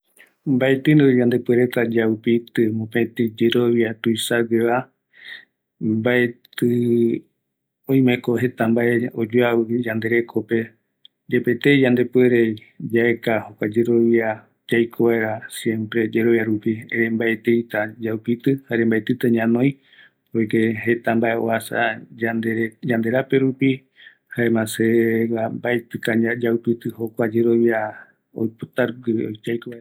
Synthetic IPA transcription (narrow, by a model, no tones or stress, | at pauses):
mbaet̪ɨnɨd͡ʒand̪e̞pweɾe̞t̪ad͡ʒaupit̪ɨmõpet̪id͡ʒeɾo̞βiat̪uisaɡeβa | mbaet̪ɨ | õj̃mẽkoɦe̞t̪ambaʔe̞od͡ʒuawɨd͡ʒand̪e̞ɾe̞kʰo̞pe̞ | d͡ʒepet̪ed͡ʒand̪e̞pweɾe | d͡ʒaekahokʷad͡ʒe̞ɾo̞βia | d͡ʒajkʰoβaeɾasjẽ̞mpɾe̞d͡ʒe̞ɾo̞βjaɾupiḛɾembaet̪ejt̪ad͡ʒawpit̪ɨhaɾembaet̪ɨt̪ɨɲãnõj̃ | oek̪eɦe̞t̪ambae̞oasa̰d͡ʒad̪eɾd͡ʒand̪e̞ɾape̞ɾupi | haemãsewambaet̪ɨkaad͡ʒawpit̪ɨho̞kʷad͡ʒe̞ɾo̞βja | o̰jpot̪aɾod͡ʒajkoae